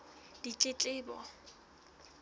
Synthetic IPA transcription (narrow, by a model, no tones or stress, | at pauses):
d̥it͡ɬʼɪt͡ɬʼɪːbɔ̰